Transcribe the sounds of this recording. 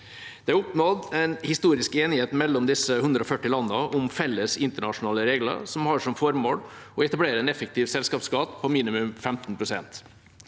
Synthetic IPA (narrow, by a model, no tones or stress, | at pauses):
d̪̥ɛæɾʊpnod̪ɛɪnhɪst̪uːɾɪskeːnɪheːt̪mɛlːɔmd̪ɪsəhʉnd̪ɾəɔfœʈːɪlɑnːəʔʊmfɛlːəsɪnt̪əɳɑʂʊnɑːləɾeːɡlə̰sɔmhɑːʂɔmfɔɾmoːɽɔɛt̪ɑbleːɾəɛnɛfək̚t̪ʰiːʋsɛlskɑːpskɑːt̪pʰɔmiːnɪmʉmfɛmt̪npʰɾʊsɛnt̪